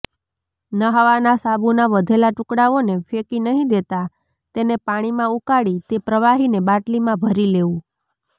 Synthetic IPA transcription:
nəɦəʋanasabunaʋəd̪ʱelaʈʊkɽaʋonefekinəɦĩd̪et̪a | t̪enepaɽ̃imãukaɽit̪epɾəʋaɦinebaʈlimãbʱəɾileũ

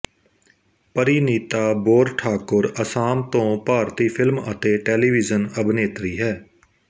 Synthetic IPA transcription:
pəɾiːniːt̪aːboːɾʈʰaːkʊɾəsaːmt̪õːpaːɾt̪iːpʰɪlmə̰t̪eːʈɛːliːʋɪzənəbneːt̪ɾiːɦɛː

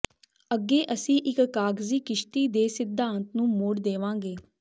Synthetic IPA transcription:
əɡːeːʔəsĩːʔɪkːaːɡziːkɪʃt̪iːd̪eːsɪd̪ʱãːnt̪nũːmʊɽd̪eːʋãːɡeː

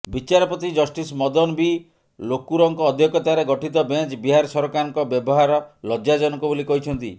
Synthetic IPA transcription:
bit͡ʃaɾɔpɔt̪id͡ʒɔsʈismɔd̪ɔnbi | lokuɾɔŋkɔːd̪ʱjɔkɔt̪aɾeɡɔʈit̪ɔbent͡ʃbiɦaɾɔsɔɾɔkaɾɔŋkɔbjɔbɔɦaɾɔlɔd͡ʒad͡ʒɔnɔkɔbolikɔɦit͡ʃʰɔnt̪i

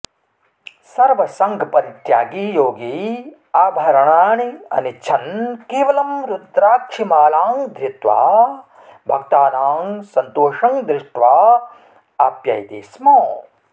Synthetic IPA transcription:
sɐɾʋɐsɐŋɡʱpɐɾit̪jaːɡiːjoːɡiː | aːbʱɐɾɐɳaːɳiɐ̰nit͡ʃʰɐnkeːʋɐlɐmɾud̪ɾaːkʂimaːlaːŋd̪ɾɪt̪ʋa̰ː | bʱɐkt̪aːnaːŋsɐnt̪oːʂɐŋd̪ɾɪʂʈʋaː | aːpja̰jt̪ḛːsmoː

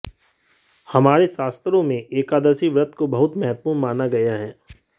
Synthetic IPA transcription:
hɐmaːɾesaːst̪ɾõmẽʔeːkaːd̪əsiʋɾət̪kobɐɦʊt̪mɛɦət̪̚puːɾnmaːnaɡɐjaɦɛː

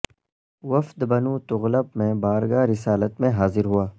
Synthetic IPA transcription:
wɐfd̪bɐnuːt̪ʊɣləp̚mẽbaːɾɡaːɾɪsaːlət̪mẽɦaːzɪɾɦuaː

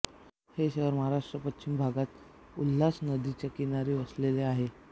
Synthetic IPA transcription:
heɕeɦəɾməɦaɾaʂʈɾəpətt͡ɕimbʱaɡat̪ | ulːasnəd̪it͡ɕjakinaɾiːʋəsleleaɦe

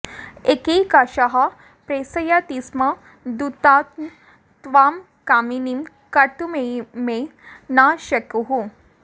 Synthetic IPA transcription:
ekekaɕaɦa | pɾesəjat̪isma | d̪ut̪at̪ | t̪ʋam | kaminim | kɐt̪umemenaɕɐkɦu

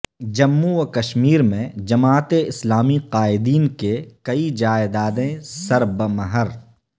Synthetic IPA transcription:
d͡ʒɐmːuɐkɐʃmiːɾmẽd͡ʒɐmaːt̪eɪslaːmiqaːɪd̪iːnkekɐid͡ʒaːed̪aːd̪ẽsɐɾbəmɐɦəɾ

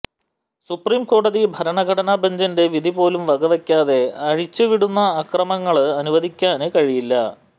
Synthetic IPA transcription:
supriːmko̞ːɽɐðibʱɐɾɐɳɐɡʱɐɽɐnaːbʱɐɲd͡ʑɐnde̞ʋid̪ʱipo̞ːlumʋɐɡɐʋɐkʲːaːðe̞ɐɻit͡ɕːɨʋiɽunːɐːkrɐmɐŋːɐɭɐnuʋɐd̪ʱikʲːaːnɨkɐɻijilːɐ

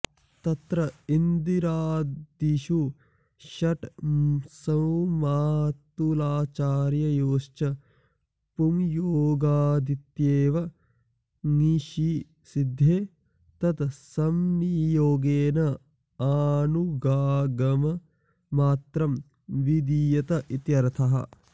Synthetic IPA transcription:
t̪ɐt̪ɾɐind̪iɾaːd̪iʃu | ʃɐʈ | sɐwmaːt̪ulaːt͡ʃaːɾjɐjoːʃt͡ʃɐ | pumjooːɡaːd̪it̪jeːʋɐ | ŋiʃi | sid̪ʱːeː | t̪ɐt̪sɐmnijoːɡeːnɐ | aːnuɡaːɡɐmɐː | aːt̪ɾɐm | ʋid̪ijɐt̪ɐʔit̪jɐɾɐt̪ʰɐɦɐ̰

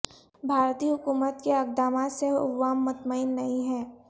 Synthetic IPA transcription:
bʱaːɾt̪iːɦʊkuːmət̪keaɡ̚d̪aːmaseʊ̰ːaːmːʊt̪maɪnːɐɦĩɦɛː

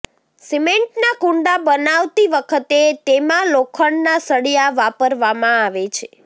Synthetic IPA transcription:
simẽɳʈnakuɳɖabənaʋt̪iʋəkʰət̪et̪emãlokʰəɳnasəɽijaʋapəɾʋamãaʋet͡ʃʰe

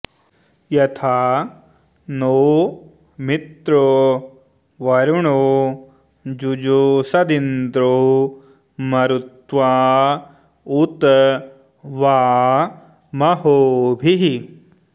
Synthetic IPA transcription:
jɐt̪ʰaː | noː | mit̪ɾo | ʋɐɾuɳo | d͡ʒud͡ʒusɐd̪ind̪ɾo | mɐɾut̪ʋaː | ut̪ | ʋaː | mɐɦoːbʱiɦi

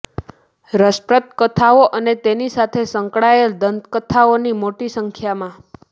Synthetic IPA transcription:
ɾəsʈɾət̪̚kət̪ʰaoʔənet̪enisat̪ʰesəŋkɽaeld̪ənd̪kət̪ʰaonimoʈisəŋkʰjamã

